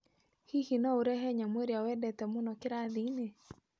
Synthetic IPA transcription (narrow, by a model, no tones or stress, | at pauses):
hihinɔuɾɛɦɛɲamweɾjawɛdɛt̪ɛmunɔkɪɾaðine